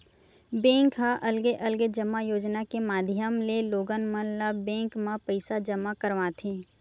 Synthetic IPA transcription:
bẽːŋkɦaʔɐlɡeʔɐlɡed͡ʒəmajoːd͡ʒnakemaːd̪ʱjəmleloːɡənmənlabẽːŋkmãpəɪsad͡ʒəmakəɾʋãt̪ʰẽː

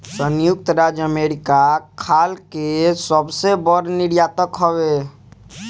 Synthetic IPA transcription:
sənjʊk̚t̪ɾaːd͡ʒəmeːɾɪkakʰaːlkesəbsebəɾnɪɽjaːt̪əkɦəwe

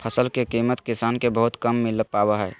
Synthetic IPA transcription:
pʰəsəlkekimət̪kisaːnkebəɦut̪kəmːɪlpabəɦɛɛ

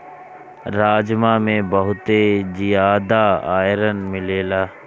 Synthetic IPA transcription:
ɾaːd͡ʒmãmẽbəɦʊt̪ed͡ʒijaːd̪aa̰ːjɾənmɪleːlaː

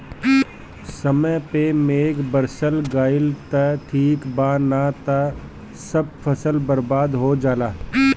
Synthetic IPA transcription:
səməjpemeːɡbəɾsəlɡaːɪlt̪ɐʈʰiːkbaːnat̪a | səb̚fʰɐsəlbəɾbaːd̪ɦoːd͡ʒaːlaː

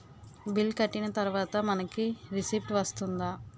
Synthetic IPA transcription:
bilkɐʈːinɐt̪ɐɾuʋaːt̪ɐmɐnɐkiɾisiːpʈʋɐst̪und̪aː

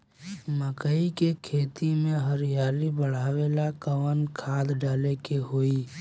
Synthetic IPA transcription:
məkəikekʰeːt̪imẽɦəɾijaːlibəɽ̤aːwelakəwənkʰaːd̪ɖaːlekeɦoiː

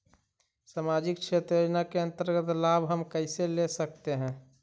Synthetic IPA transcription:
samad͡ʒɪkt͡ʃʰet̪ɾjod͡ʒnakeə̃nt̪əɾɡət̪labɦəmkəɪselesək̚t̪eɦɛ̃ː

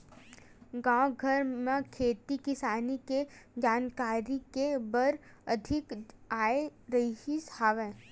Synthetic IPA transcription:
ɡãːɡʱəɾmẽkʰeːt̪ikɪsaːniked͡ʒaːnkaːɾikebəɾ | ɐd̪ʱɪkaːeɾɐiɦishaːʋẽː

